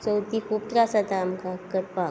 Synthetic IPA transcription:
t͡səwt̪ikʰuːp̚ʈɾasat̪aːmkakəʈ̚pa

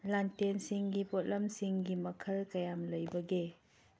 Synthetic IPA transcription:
lantensiŋɡipot̚lɐmsiŋɡimɐkʰɐlkɐjamlɐjbɐɡe

